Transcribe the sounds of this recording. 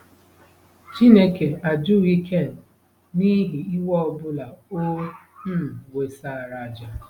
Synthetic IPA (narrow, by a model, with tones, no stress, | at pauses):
t͡ʃi˦ne˦ke˨a˨d͡ʒu˦˨i˦kʰe˦˨n˨ | ni˦ɦi˨i˦wɔ˦˨bʊ˦la˨o˦ | m̩˦˨we˨sa˨ɾa˨d͡ʒa˨